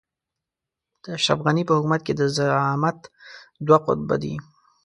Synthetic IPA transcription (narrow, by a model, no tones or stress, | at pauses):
d̪̥əʃafɣanipəhʊkumat̪̚ked̪əzaamat̪d̪waqʊ̰t̪̚ba̰d̪ḭ